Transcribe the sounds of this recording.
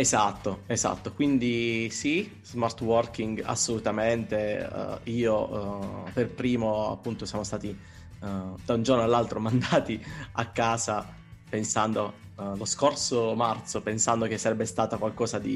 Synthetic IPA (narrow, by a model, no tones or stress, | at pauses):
ezat̪ːoeza̰t̪ːokwind̪isi | z̥mart̪wɔrk̟iŋɡa̰sːolut̪ament̪ḛiːo | perpɾiːmoa̰pːunt̪osjaːmost̪aːt̪i | d̪aund͡ʒornoalːalt̪ɾomand̪aːt̪iakːaːza | pensand̪o | loskorsomart̪sopensand̪ok̟esːaɾɛbːest̪aːt̪akwalkɔːzad̪i